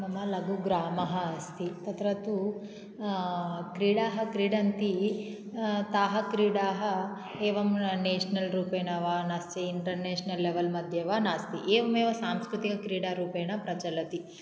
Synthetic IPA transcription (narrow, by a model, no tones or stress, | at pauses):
mɐmɐlɐɡuɡɾaːmɐɦɐɐst̪it̪ɐt̪ɾɐt̪u | kɾiːɽaːɦɐkɾiːɽɐnt̪i | t̪aːɦɐkɾiːɽaːɦɐ | eːʋɐmneːʂɐnɐlɾuːpeːnɐʋaːnast͡ʃeiɳʈɐɾneːʂɐnɐlːeʋɐlmɐd̪ʱjɐʋaːnaːst̪iʔeːʋɐmeːʋɐsaːmskɾut̪ikɐkɾiːɽaːɾuːpeːnɐpɾɐt͡ʃɐlɐt̪i